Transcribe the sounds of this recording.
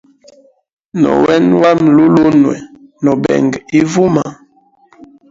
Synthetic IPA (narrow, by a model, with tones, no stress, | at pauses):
nɔ̰˨wɛ˦nwa˦mlu˦lo˦nwɛ˨nɔ˨bɛ̰˨ŋɡi˦vu˦ma˨